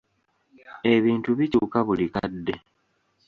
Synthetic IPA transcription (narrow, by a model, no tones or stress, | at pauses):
e̞βiːntuβicuːkaβulikadːe̞